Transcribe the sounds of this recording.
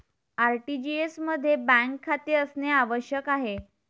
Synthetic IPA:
aɾʈid͡ʑiesməd̪ʱːjebæ̃ŋkʰːat̪iəsneaʋəɕjəkaɦe

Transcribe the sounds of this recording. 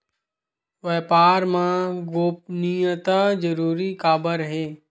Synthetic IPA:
ʋɛːpaːɾmãɡoːpnijət̪ad͡ʒəɾuːɾikaːbəɾɦeː

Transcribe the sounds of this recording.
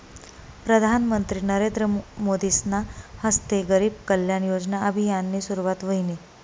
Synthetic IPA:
pɾəd̪ʱanmənt̪ɾiːnəɾend̪ɾəmod̪isnahəst̪eɡəɾiːb̚kəljaɳjod͡znaʔəbʱijanːiːsuɾuʋat̪ʋəɦini

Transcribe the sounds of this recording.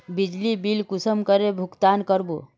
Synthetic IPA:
bid͡ʒlibilkusəmkəɾebʱukt̪aːnkəɾbo

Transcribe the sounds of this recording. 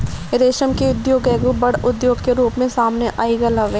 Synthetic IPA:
ɾeːʃəmkeʊd̪joːɡɛːɡũbɐɽʊd̪joːɡkeɾuːpmẽsaːmneʔaːiɡɐlɐʋeː

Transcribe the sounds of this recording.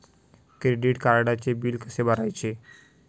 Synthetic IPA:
kɾeɖiʈkaɾaɽat͡ɕebilkəsebaɾajt͡ɕe

